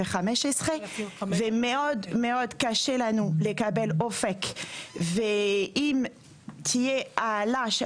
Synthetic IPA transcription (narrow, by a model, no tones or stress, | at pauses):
eχamɛʃɛsʁevemeɔd̪meɔd̪kaʃelanulekabɛlofɛkveim | t̪ʰijealaʃ